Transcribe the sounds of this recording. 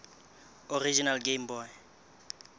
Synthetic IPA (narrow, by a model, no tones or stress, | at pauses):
orid͡ʒinalɡembɔj